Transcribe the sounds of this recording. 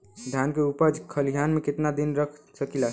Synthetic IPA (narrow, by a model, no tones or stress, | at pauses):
d̪ʱjankeupəd͡ʒkʰəliɦjanmeket̪nad̪inɾəkʰ | səkila